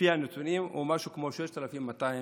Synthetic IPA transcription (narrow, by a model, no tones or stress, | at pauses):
ianet̪unimṵmaʃukmoʃeʃt̪alafimːat̪ai